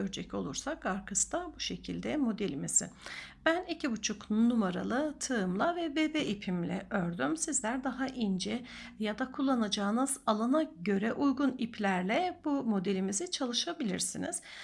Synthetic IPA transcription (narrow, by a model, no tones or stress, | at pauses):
øɾd͡ʒɛcʰo̞̰lˠuɾsakːaɾkʰɯsd̪abuʃe̞cʰilʲd̪ɛmo̞d̪elʲimiz̥ɪ̰b̥ænicʰibut͡ʃʰuknunːumaɾa̰lˠɯt̪ʰɯɯmlˠavɛbebɛʔipʰimlʲɛ̰ʔøɾd̪ymsizlʲæɾd̪aɦaʔind͡ʒɛ | jad̪akʰulˠːanad͡ʒaːɯnɯz̥alˠanaɟø̞ɾɛʔujɡunipʰlʲæɾlʲɛbumo̞d̪e̞lʲimizit͡ʃʰalˠɯʃabilʲḭɾsiniz̥